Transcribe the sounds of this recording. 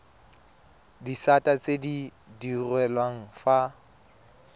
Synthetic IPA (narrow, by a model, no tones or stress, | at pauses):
disatʼat͡sʼedi | dirwɛlwaŋ̩fa